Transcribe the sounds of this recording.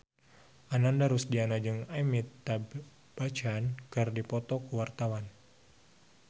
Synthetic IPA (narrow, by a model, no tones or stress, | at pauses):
ʔanandaɾusdianad͡ʒɨŋamit̪ːab | b̥at͡ʃankɨrdipɔt̪ɔkuwart̪awan